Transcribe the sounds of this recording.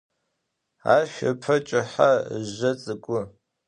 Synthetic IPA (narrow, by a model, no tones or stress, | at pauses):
a̰ːʃʷɐpʰɐt͡ʃʼɪħaʑɐt͡sʼɨkʷʼʊ